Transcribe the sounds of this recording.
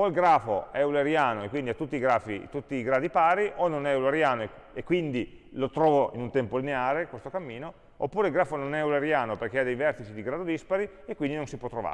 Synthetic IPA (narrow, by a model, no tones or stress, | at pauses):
oilɡɾaːfoɛuleɾjaːnoekwind̪iat̪ut̪ːiːɡɾaːfḭt̪ut̪ːiːɡɾaːd̪ipaːɾiʔonːonɛulaɾjaːnoekːwind̪ilot̪ɾɔːvoinunt̪ɛmpolineaːɾekwest̪okamːiːno | o̰pːuːɾeilɡɾaːfononɛuleɾjaːnoperk̟ead̪ejvɛrt̪it͡ʃid̪iɡɾad̪od̪ispaɾi | ekwind̪inõnsipwɔt̪ɾova̰